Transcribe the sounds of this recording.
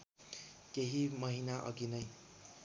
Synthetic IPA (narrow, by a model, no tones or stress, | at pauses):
keɦimʌɦinaʔʌ̰ɡinʌj